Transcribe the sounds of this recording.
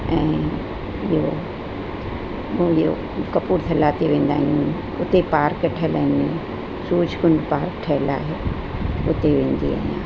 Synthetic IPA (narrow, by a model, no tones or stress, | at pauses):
ɛ̃ː | ɪɦo | ɪɦo̰ | kɐpuːɾt̪ʰɐlaːt̪eʋẽːnd̪aːɦiũ | ʊt̪epaːɾkʈʰɛlɛ̃ni | suːd͡ʒʱkʊ̃ɳɖpaːɾkʈʰɛːɪla̰ːɦe | ʊt̪eʋẽːn̆d̪ia̰ɦiã̰ː